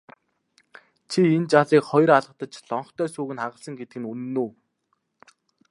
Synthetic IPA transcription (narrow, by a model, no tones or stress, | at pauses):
t͡ɕʰient͡ɕaɮiːkχɔj̆raɮʁə̆χt̪ə̆t͡ɕɮɔɴχt̪ʰœːsuːɣɘ̆naʁə̆ɮsə̆ŋɡet̪ɘɡɘ̆nunːuː